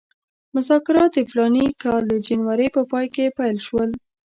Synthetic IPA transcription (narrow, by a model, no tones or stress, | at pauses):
mʊzɑkɪɾɑt̪̚d̪əflɑnikɑld̪əd͡ʒanwaɾəjpəpɑjkepajlʃwəl